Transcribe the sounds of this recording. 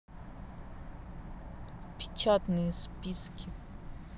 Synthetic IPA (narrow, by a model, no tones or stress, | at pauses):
pʰi̥t͡ʃʰat̪nispiskʰʲi